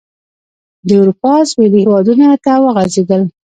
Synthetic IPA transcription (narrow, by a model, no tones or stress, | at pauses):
d̪əawɾupɑswelihewɑd̪unat̪awəɣazed̪əl